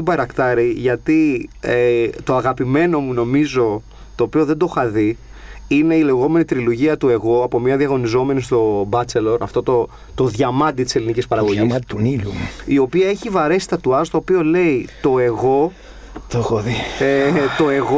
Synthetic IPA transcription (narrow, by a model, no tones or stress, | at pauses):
ibɐɾɐkt̪ɐɾiʝɐt̪iet̪o̞ɐɣɐpime̞no̞muno̞mizo̞ | t̪o̞ːpio̞ðe̞nd̪oxɐði | ine̞ile̞ɣo̞me̞nit̪ɾiloʝiɐt̪ue̞ɣo̞ɐpo̞mɲɐðiɐɣo̞nizo̞me̞nist̪o̞bɐt͡se̞lo̞ɾɐ̰ft̪o̞t̪o̞ | t̪o̞ðʝɐmɐd̪it̪i̥se̞linicispɐɾɐɣoʝiiiluio̞piɐe̞çivɐɾe̞si̥t̪ɐt̪uɐst̪oːpio̞le̞it̪o̞e̞ɣo̞ | t̪oxoðiet̪o̞e̞ɣo